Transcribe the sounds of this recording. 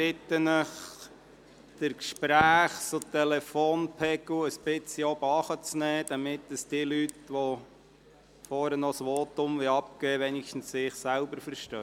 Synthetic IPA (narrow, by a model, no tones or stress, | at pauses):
ɪt̪ənəχ | d̪̥əɾkʃpɾæːχsotɛlɛfoːnpʰɛɡʊəsb̥ɪt͡siobɑχət͡snɛːd̥̪ɑmɪt̪ːəsd̥iəlytʋo | fɔːɾənɔsʋɔːtʊmʋeɑp̚keːʋɛnɪkʃtn̩ssɪːχsælbəɾfəɾʃtœ